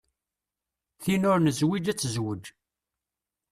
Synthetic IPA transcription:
θinʊɾnəzwid͡ʒæt͡sːəzwəd͡ʒ

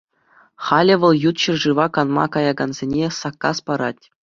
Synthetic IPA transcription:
χɑlʲɘ̆ʋɤ̆lˠjut̪ɕɘ̆rʐɯʋɑkɑnmɑ̰kɑjɑɡɑnzʲenʲesɑkːɑspɑɾɑtʲ

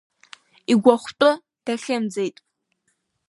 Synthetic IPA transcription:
iɡʷɔχʷtʷʼʊ | d̥aɬɐmd͡zejtʼ

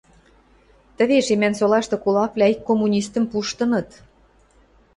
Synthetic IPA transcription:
t̪ə̆βeʃemænsolɑʃt̪ɤ̆kulɑplʲæikːomːunʲist̪ə̆mpuʃt̪ɤ̆nɤ̆t̪

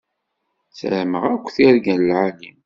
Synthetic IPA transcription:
t͡sə̰lməʁækʷːθiɾɡænlʕani

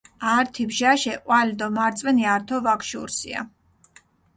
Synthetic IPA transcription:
aɾt̪ʰibʒaʃɛqʼwalid̪ɔmaɾt̪sʼwɛniaɾt̪ʰɔvakʃṵɾsḭa̰

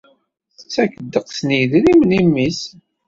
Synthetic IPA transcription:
θət͡sːækəd̪ːəqsniðɾimnimːis

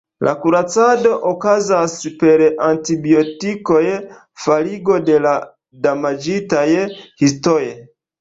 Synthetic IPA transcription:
lʔa̰kuɾat͡sado̞ʔokazaspe̞ɾantibiotiko̞j | faliɡo̞dela | damad͡ʒitajhistoje

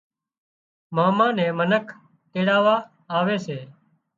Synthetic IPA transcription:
maːmãːnɛ̃ːmənəkʰ | teːɽaːʋaː | aːʋeːseː

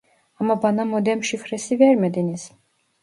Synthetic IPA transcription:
amabanamɔd̪ɛmʃifɾɛsivɛɾmɛd̪inis

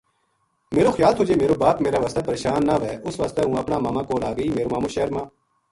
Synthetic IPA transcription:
meːɾoːxjaːlt̪ʰoːd͡ʒeːmeːɾoːbaːpmeːɾaːʋəst̪aːpəɾeːʃaːnːaːʋɛːʔʊsʋəːst̪ɛːɦũːəpnaːmaːmãːkoːlaːɡəiːmeːɾoːmãːmõːʃeːəɾmãː

